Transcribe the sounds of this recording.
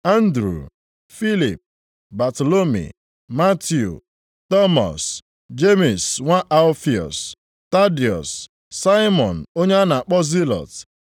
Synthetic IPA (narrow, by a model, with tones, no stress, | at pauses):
a˦n̩˦dɾṵ˨ | fi˦li˨p̚ | ba˨to˨lo˦mḭ˨ | ma˦tjṵ˨ | tɔ˦mɔ̰˨s | d͡ʒe˦mi˨sŋʷa˦ʔa˦lfi˨ɔ̰˨s | ta˦di˨ɔ˨sː | a˦ɪ˦mɔ˨n̩˨o˦ɲe˦a˦na˨a˨k͡pɔ˦zi˦lɔ̰˨t